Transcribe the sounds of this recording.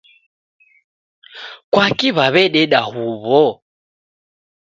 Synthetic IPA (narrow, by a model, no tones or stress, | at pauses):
kwakiβaβɛɗɛɗahuβɔ